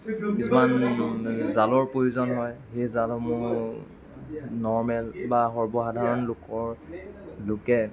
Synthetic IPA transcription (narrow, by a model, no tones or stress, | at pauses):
isman | zalɔɹpɹojuzɔnɦɔjxejzalɔmʊɹ | nɔɹmɛlbaɦɔɹbɔxadʱaɹɔnlʊkɔɹ | lʊkɛ